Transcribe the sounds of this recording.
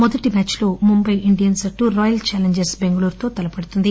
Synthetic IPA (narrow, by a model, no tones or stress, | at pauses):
mɔd̪ɐʈimaːt͡ʃlo̞ːmumbɐjʔiɳɖijɐnsɐʈːuːɾɔːjɐlt͡ʃaːleɲd͡ʒɐɾsbe̞ŋɡɐluːɾt̪o̞ːt̪ɐlɐpɐɽut̪und̪i